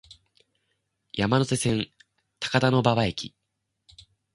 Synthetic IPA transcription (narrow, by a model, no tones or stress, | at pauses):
jamanose̞sẽ̞n | t̪ḁkad̪ano̞baβaekʲḭ